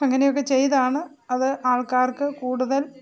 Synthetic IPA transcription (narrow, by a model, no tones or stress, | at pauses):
ɐŋːɐnejo̞k̬ːet͡ɕe̞jt̪aːɳɨ | ɐðɨʔaːɭkaːrkɨkuːɽuðɐl